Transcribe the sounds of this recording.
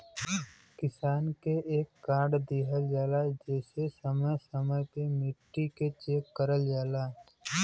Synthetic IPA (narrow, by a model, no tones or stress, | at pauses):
kɪsaːnkeeːkːaːɾɖd̪iːɦəld͡ʒaːlad͡ʒɛːsesəməjsəməjpemɪʈːiket͡ʃeːkːəɾəld͡ʒaːlaː